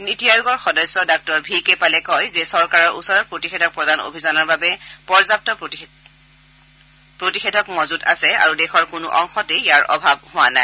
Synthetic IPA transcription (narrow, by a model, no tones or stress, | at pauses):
nitijajuɡɔɹxɔdɔsːɔdak̚tɔɹbʱikɛpalɛkɔjzɛsɔɹkaɹɔɹusɔɹɔt̚pɹotixedʱɔk̚pɹɔdano̰bʱizɔnɔɹbabɛpɔɹzap̚tɔ | pɹotixedʱɔkmɔzuta̰sɛa̰ɹudɛxɔɹkʊnʊ̰ʔɔ̰ŋxɔtejaɹɔ̰bʱab̚ɦʊwa̰na̰ɪ